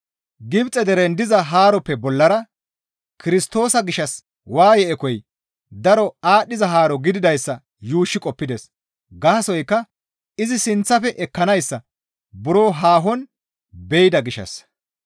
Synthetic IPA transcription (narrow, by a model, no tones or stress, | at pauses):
ɡɪbt͡sʼɛd̪ɛɾɛnd̪ɪzɐɦaːɾɔpːɛbɔlːɐɾɐ | kɪɾɪst̪o̞ːsɐɡɪʃɐs | waːjɛʔɛkɔj | d̪ɐɾɔaːɗɪzɐɦaːɾɔɡɪd̪ɪd̪ɐjsːɐ | juːʃːɪkʼɔpːɪd̪es | ɡɐːɐsɔjkːɐ | ɪzɪsɪnt͡sːɐfɛʔɛkːɐnɐjsːɐ | bʊɾo̞ːɦaːɦɔn | bɛjɪd̪ɐɡɪʃːɐ̰s